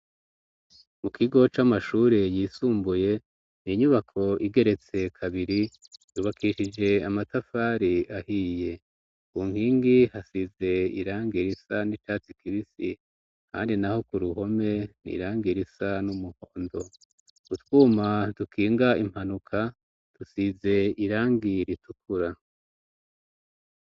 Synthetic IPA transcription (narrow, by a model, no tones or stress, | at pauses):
mukiɡo̞t͡ʃamaʃuːɾejiːsuːmbuje̞ | niɲuβakʰo̞iɡe̞ɾe̞t͡se̞kʰaβiɾijuːβakʰiʃid͡ʒe̞amatafaːɾiahiːje̞ | kuŋhiːŋɡihasize̞ḭɾaːŋɡiɾisanit͡ʃaːt͡sikiβisḭ | ka̰ːndinaho̞kuɾuɦo̞me̞nḭɾaːŋɡiɾisanumuhoːndo̞ | utwuːmadukʰiːŋɡaim̥hanukʰa | tusize̞iɾaːŋɡiɾitukʰuɾa